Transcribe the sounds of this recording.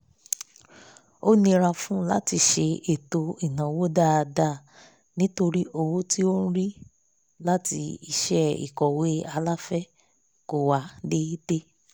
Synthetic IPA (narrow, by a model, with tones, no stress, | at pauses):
o˦nĩ˧ɾa˧fũ˦la̰˦ti˧ʃe˧e˨to˧i˨nã˨wo˦da˦˨˧da˦˨ | nĩ˦to˧ɾi˦ʔo˧wo˦ti˦o˦n̩˦ɾi˦ | la˦ti˧i˧ʃɛ˦ḭ˨kɔ˨we˦a˧la˦fɛ˦ | ko˦˨wa˧˦de˦i˦te˦